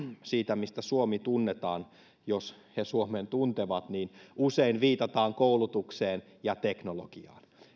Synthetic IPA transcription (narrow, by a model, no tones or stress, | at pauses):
siːt̪æmist̪æsuomit̪unːet̪ɑːn | joshesuoment̪unt̪eʋɑt̪niːnuseinʋiːt̪ɑt̪ɑːŋkoulut̪ukseːn | jɑt̪eknolo̰ɡ̥iɑ̰ːn